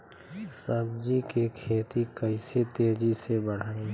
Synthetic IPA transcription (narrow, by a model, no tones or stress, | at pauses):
səbd͡ʒikekʰeːt̪ikəiset̪eːd͡ʒisebəɽ̤aːẽ